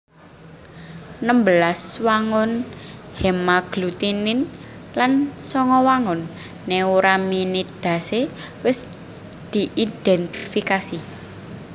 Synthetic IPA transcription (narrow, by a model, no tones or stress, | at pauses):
nəmbəlaswaŋʊnhɛmaɡ̥lut̪inɪnlansɔŋɔwaŋʊnː | euɾaminit̪̚d̪̥a̤se | wɪs | d̪̥i̤ʔid̪̥ɛnt̪ifikasi